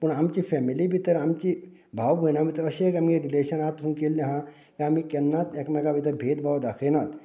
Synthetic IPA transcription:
pəɳamt͡ɕiːfɛmiliːbʱit̪əɾamt͡ɕiː | bʱawbʱənabʱit̪əɾəɕekamieɾileɕənat̪ɦũŋkelnĩɦã | kiam̤iːkɛnːat̪ekmaɡabʱit̪əɾbʱet̪bʱawd̪akʰenat̪

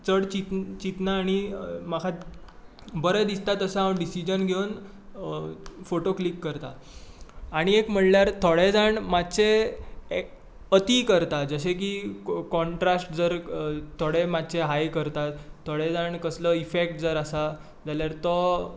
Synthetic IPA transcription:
t͡səɽt͡ɕit̪t͡ɕit̪naːɽ̃imakʰat̪ | bəɾəd̪ist̪at̪əsãaɖisid͡ʑənɡʱewn | foʈoklikːəɾt̪a̰ | aɽ̃iekm̤əɽljaɾt̪ʰoɽed͡zaɳmat̪t͡se | ət̪ikəɾt̪ad͡zəɕ̬ekikɔɳʈɾasʈd͡zəɾt̪ʰːoɽemat̪ːt͡ɕeɦajkəɾt̪at̪ʰːoɽed͡zaɳkəsləifek̚ʈ̚d͡zəɾasa | d͡zaljaɾt̪ɔ

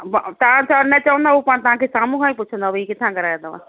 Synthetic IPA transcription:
bt̪ãt͡ʃanɛt͡ʃaːə̃nd̪aopañt̪əɦãkʰesaːmũɦãĩpʊt͡ʃʰə̃nd̪aʋikɪt̪ʰãkəɾaːjẽd̪aʋa̰

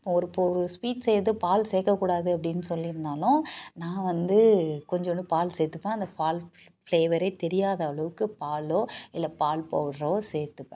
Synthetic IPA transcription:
ɪpːõɔɾɯpːoɔɾɯspiːʈsɛjɾðɯpaːlseːkːɐkːuːɽaːðɯɐp̬ːɐɽɪnːɯsɔlːɪɾɯnd̪aːlʊ̃nãːʋɐnd̪ɯkɔɲd͡ʒɔnɖ̪ɯpaːlseːt̪ːɯpːãːɐnd̪ɐfaːl | fleːʋɐɾeɪt̪ɛɾɪjaːðɐɐɭɐʋɯkːɯpaːloːɪlːɐpaːlpoːʋɽɾɐ̃seːt̪ːɯpːḛ̃

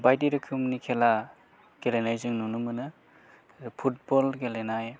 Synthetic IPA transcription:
bajdiɾɯkʰɯmnikʰela | ɡelenajzɯŋnunumɯnɯ | pʰut̚bɔlɡelenaj

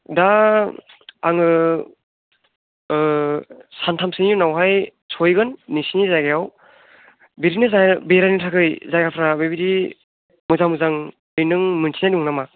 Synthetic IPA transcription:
da | aŋɯ | santʰamsɯŋjunawɦaj | sʰɔjɡɯnːisinizaɡejaw | biɾinɯzabeɾajnɯtʰakʰɯjzaɡapʰɾabebiɾi | mɯzaŋmɯzaŋ | ɯjnɯŋmɯnsʰinaduŋnama

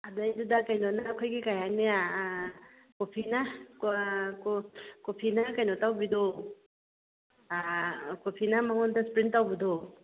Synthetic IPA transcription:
adajdudakajnɔnakʰojkikajania | kopʰina | kopʰinakajnɔtawbido | kopʰinamaŋɔndaspɾintawbid̪o

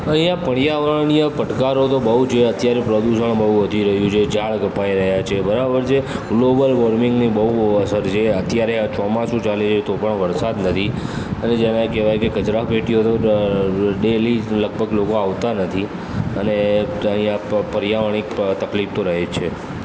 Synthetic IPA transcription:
əɦĩjãpəɽjaʋəɳnijəpəʈkaɾot̪obəɦut͡ʃʰeət̪jaɾepɾəd̪uʃəɳbəɦuʋəd̪ʱiɾəɦjũt͡ʃʰed͡ʒʱaɭɡʱəpaiɾəɦjat͡ʃʰebəɾabəɾd͡ʒʰeɡlobəlʋəɾmɪŋɡnibəɦuəsəɾt͡ʃʰeət̪jaɾeat͡ʃɔmãsũt͡ʃalet͡ʃet̪opəɳʋəɾsad̪nət̪ʰiəned͡ʒemãekeʋajkekəd͡ʒɾapeʈijot̪o | ɖeliləɡ̚bʱəɡlokoaʋt̪anət̪ʰi | əneəɦĩjãpəɾijaʋəɽ̃ikt̪əklift̪oɾəɦet͡ʃʰe

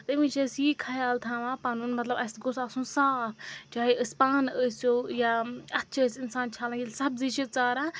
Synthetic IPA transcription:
t̪əmĩt͡ʃʰɐsiːkʰɐjaːlt̪ʰãːʋãːpaːnuːnmɐt̪lɐbɐsɡosaːsũːsaːpʰt͡ʃaːeəspaːnəsoːjaɐtːt͡ʃʰəsɪnsaːnt͡ʃʰaːlãɡilsɐbziːʃik̚t͡saːɾaː

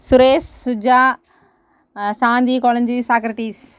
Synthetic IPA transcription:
sʊɾeːsd͡ʑaː | sãːnd̪ikɔːlənd͡ʑisaːkɾɪʈiːs

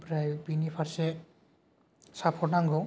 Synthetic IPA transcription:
pɾajbinipʰaɾsɛ | sapʰɔɹnaŋɡɹɔ

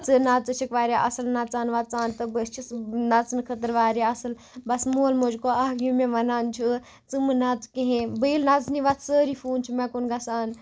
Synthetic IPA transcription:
t͡sɨnat͡sɨt͡ʃʰikʋaːɾʲaʔɐsɨlnɐt͡saːnʋɐt͡saːnt̪ɨbɐst͡ʃʰisnɐt͡snkʰət̪əɾʋaːɾaɐsɨl | bɐsmoːlmod͡ʒkoaɦɡjũmẽʋɐnaːnt͡ʃʰu | t͡sɨmɨnat͡skẽɦẽbəilnɐt͡sniʋɐt̪ʰsəːɾifʰuːnt͡ʃʰumɛkonɡɐsaːn

